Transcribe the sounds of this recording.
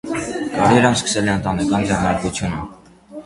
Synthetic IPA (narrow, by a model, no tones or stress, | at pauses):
kɑɾiɾɑnskə̥sɛlɛənt̪ɑnɛkɑnd͡zɛrnɑɾkut͡sʰjunə